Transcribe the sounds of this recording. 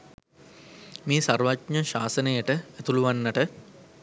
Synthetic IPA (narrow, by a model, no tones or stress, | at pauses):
meːsarʋatɲəʃaːsənəjəʈəæt̪uluʋanːəʈə